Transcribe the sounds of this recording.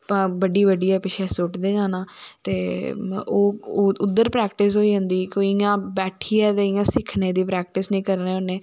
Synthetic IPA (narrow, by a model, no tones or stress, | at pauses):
pãːbəɖiːbəɖiːɛːpɪʃʰɛːsʊːʈd̪eːd͡ʒãːnãːt̪eː | oːʊd̪ːəɾpɾɛːkʈɪs̬ɦoːiːɦʊ̃nd̪iːkoːiãːbɛːʈʰiːɛːt̪eːɪjãːsɪkʰneːd̪iːpɾɛːk̚ʈɪsnĩːkəɾneːoneː